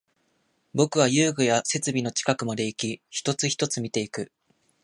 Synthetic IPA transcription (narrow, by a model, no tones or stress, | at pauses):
bo̞kɯ̟βajɯ̟ːɡɯ̟jase̞t͡sɨbʲino̞t͡ɕi̥kakɯ̟mad̪e̞ikʲiçi̥t̪o̞t͡sɨçi̥t̪o̞t͡sɨmʲit̪e̞ikɯ̟